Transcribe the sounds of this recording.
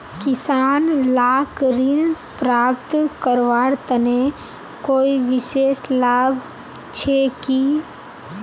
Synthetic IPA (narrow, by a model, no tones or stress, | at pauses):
kɪsaːnlaːkɾin | pɾaːpt̪kəɾʋaːɾt̪əne | koːiʋɪʃeːslaːbʱ | t͡ʃʰekiː